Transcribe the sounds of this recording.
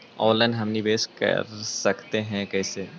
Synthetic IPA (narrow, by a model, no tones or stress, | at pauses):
ɔːlə̃nɦɐmnibeːskɐ̰ɾsɐkt̪eɦɛ̃kɛːse